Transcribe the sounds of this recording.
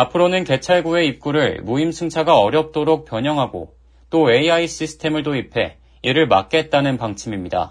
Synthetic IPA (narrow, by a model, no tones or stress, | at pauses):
apʰɯɾonɯnke̞t͡ɕʰaɭɡue̞ip̚k͈uɾɯɭmuimsʰɯŋt͡ɕʰaɡaʌɾjʌp̚t͈oɾok̚p͈jʌɲʌŋɦaɡo̰ | t͈oe̞iaiɕ͈isʰɯ̥tʰe̞mɯɭdoipʰe̞ | iɾɯɭma̰k̚k͈e̞t̚t͈anɯnpaŋt͡ɕʰimimɲida̰